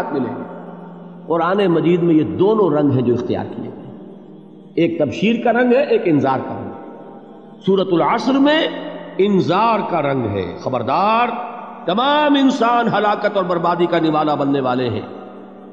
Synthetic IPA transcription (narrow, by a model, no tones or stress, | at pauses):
t̪̚mɪlḛ̃ː | qʊɾaːnemɐd͡ʒiːd̪mẽjed̪oːnõɾɐ̃ŋɡɦɛ̃d͡ʒoːɪxt̪ɪja̰ːɾkiḛ | eːk̚t̪ɐbʃiːɾkaɾɐ̃ŋɡɦɛʔeːkɪnzaːɾka̰ɾɐ̰̃ŋɡ | suːɾət̪ʊlɐsɾmẽɪnzaːɾkaɾɐ̃ŋɡɦɛ̰ːxɐbəɾd̪aːɾt̪ɐmaːmɪ̃nsaːnɦɐlaːkət̪ɔːɾbɐɾbaːd̪ikanɪʋaːlabɐnːeʋaːleɦɛ̰̃ː